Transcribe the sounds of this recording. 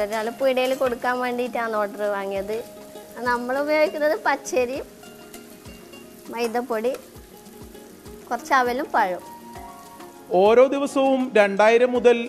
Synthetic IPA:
oɾnɐlːɐpujɽɐjilko̞ɽukːaːnʋeːɳɖiːtːaːnoːʈːɐrɨʋaːŋːijɐðɨ | nɐmːɐɭubɐjoːɡikʲːunːɐðɨpɐt͡ɕːeɾijm | mɐjd̪ɐpːoɽi | kurɐt͡ɕːaːʋɐlumpɐɻu | o̞ːɾo̞ːd̪iʋɐsɐʋumɾe̞ɳɖaːjiɾɐmːuðɐl

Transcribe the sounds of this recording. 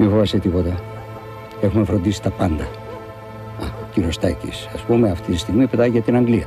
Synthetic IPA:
mifovɐset̪ipo̞t̪ɐ | e̞xume̞fɾond̪isi̥t̪ɐpɐnd̪ɐ | ɐociɾio̞st̪ɐcḭsɐspumeɐft̪it̪ist̪iɣmipe̞t̪ɐiɐt̪inɐŋɡliɐ

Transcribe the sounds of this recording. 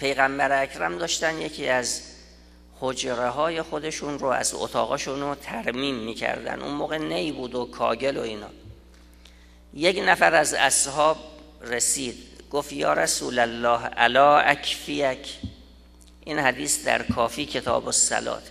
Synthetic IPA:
pʰe̞jɣæmbæɾeækʰɾæmd̪ɒːʃt̪ænd̪jekʰiːæz | hod͡ʒɾeɦɒːje̞xo̞d̪e̞ʃunroæ̰zo̰t̪ʰɒ̰ːɣɒːʃunot̪ʰæɾmiːmːiːcʰæ̰ɾd̪æ̰nd̪ṵnmoːɣenejbuːd̪okʰɒ̰ːɟe̞lo̞iːnɒ̰ː | je̞knæfæɾæzæshɒːb | resiːd̪̥ɡ̥ofjɒːɾæsṵːlælːɒːhæ̰lɒːʔækʰfijækʰ | ʔiːnhæd̪iːsd̪æ̰ɾkʰɒːfiːcʰe̞t̪ʰɒ̰ːbosːæ̰lɒ̰ːt̪ʰ

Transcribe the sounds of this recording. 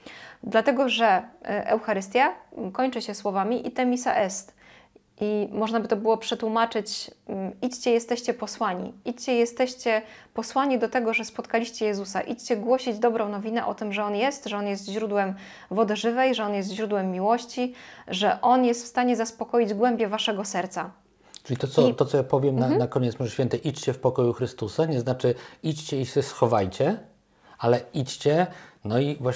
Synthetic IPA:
d̪lat̪ɛɡɔʐɛʔɛ̰wxaɾɘst̪ʲjakɔɲt͡ʂɘɕɛswɔvamʲiʔit̪ɛmʲisa̰ʔɛst̪ | ʔimɔʐnabɘt̪ɔbɘwɔpʂɛt̪wumat͡ʂɘt͡ɕ | it͡ɕt͡ɕɛjɛst̪ɛɕt͡ɕɛpɔswaɲḭit͡ɕt͡ɕɛjɛst̪ɛɕt͡ɕɛpɔswaɲid̪ɔt̪ɛɡɔʐɛspɔt̪kalʲiɕt͡ɕɛjɛzusa̰ʔit͡ɕt͡ɕɛɡwɔɕid͡ʑd̪ɔbɾɔ̃w̃nɔvʲinɛʔɔt̪ɘmʐɛɔnjɛst̪ʐɛɔnjɛst̪ʑɾud̪wɛm | vɔd̪ɛʐɘvɛjʐɛɔnjɛst̪ʑɾud̪wɛmːʲiwɔɕt͡ɕiʐɛʔɔnjɛst̪fst̪aɲɛzaspɔkɔjid͡ʑɡwɛmbʲjɛvaʂɛɡɔsɛɾt̪sa | t͡ʂɘlʲit̪ɔt̪sɔt̪ɔt̪sɔjapɔvʲjɛmnanakɔɲɛt̪smʐɕfʲɛnt̪ɛjʔit͡ɕt͡ɕɛfpɔkɔjuxɾɘst̪usaɲɛznat͡ʂɘit͡ɕt͡ɕɛisɛsxɔvajt͡ɕɛ | alɛit͡ɕt͡ɕɛnɔivwa

